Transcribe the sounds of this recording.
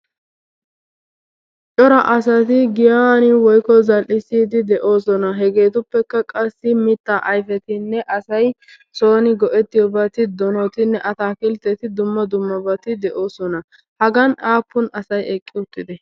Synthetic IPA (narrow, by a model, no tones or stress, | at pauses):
t͡ʃʼɔɾɐʔɐsɐt̪ɪɡɪjaːnɪwɔjkɔzɐlʔːɪsiːd̪ɪd̪ɛʔo̞ːsɔnɐɦɛɡe̞ːt̪ʊpːɛkːɐkʼɐsːɪmɪt̪ːaʔɐjfɛt̪ɪnːɛʔɐsɐj | soːnɪɡɔʔɛt̪ːɪjɔbɐt̪ɪd̪ɔnɔt̪ɪnːɛʔɐt̪aːkɪlt̪ːɛt̪ɪd̪ʊmːɐd̪ʊmːɐbɐt̪ɪd̪ɛʔo̞ːsɔnɐ | hɐɡɐnaːpːʊnɐsɐjɛkʼːɪʊt̪ːɪd̪ɛ